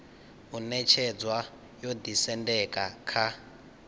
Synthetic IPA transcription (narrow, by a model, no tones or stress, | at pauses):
unɛt͡ʃʰɛd͡zwa | jod̪isɛndɛkakʰa